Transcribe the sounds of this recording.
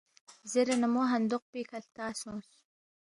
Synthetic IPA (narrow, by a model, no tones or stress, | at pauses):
zeɾanamoɦɐnd̪ʊq̚pikʰɐlt̪aːsõːs